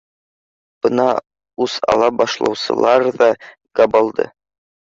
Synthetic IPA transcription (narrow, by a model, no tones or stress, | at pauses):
b̥ɤnɑ | usɑ̰lˠɑbɑʃlˠɑ̰wsɤ̰̆lˠɑɾðɑ | ɡ̥ɑbɑlˠd̪ɤ̰